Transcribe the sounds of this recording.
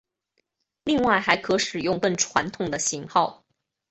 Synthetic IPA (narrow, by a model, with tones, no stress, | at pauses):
li˥˧ŋwa˥˩ɪxa˧˥ɪkʰɤ˧˥ʂɻ̩˨˩jʊ˥˧ŋkə˥˩nʈ͡ʂʰwa̰˧˥nt̪ʰʊ˨˩ŋd̪ə˦ɕi˧˥ŋxɑ˥˩ʊ